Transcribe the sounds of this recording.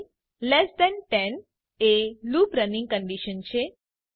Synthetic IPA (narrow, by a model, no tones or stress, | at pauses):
lɛsd̪ɛ̃nʈɛn | elupɾənĩŋɡ̚kə̃ɳɖiʃənt͡ʃʰe